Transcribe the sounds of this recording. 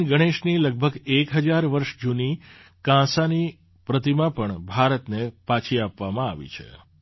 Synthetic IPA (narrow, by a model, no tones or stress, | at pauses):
ɡəɽ̃eʃniləɡ̚bʱəɡekɦəd͡ʒaɾʋəɾʃd͡ʒuni | kãsani | pɾət̪imãpəɳbʱaɾət̪nepat͡ʃʰiapʋamãa̰ʋḭt͡ʃʰḛ